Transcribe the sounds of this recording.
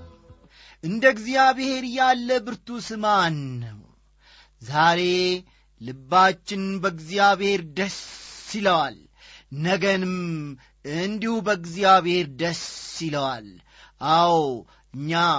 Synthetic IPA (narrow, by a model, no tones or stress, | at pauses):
ʔɨnd̪əɡzijaβhe̞ɾjalːəbɨɾt̪usɨmanːəw | zaɾe̞ | lɨbːat͡ʃːɪnbəɡzjaβhe̞ɾd̪əsːiləwal | nəɡənɨm | ɨnd̪ihubəɡzijaβhe̞ɾd̪əsːiləwal | ʔaw | ɨɲːa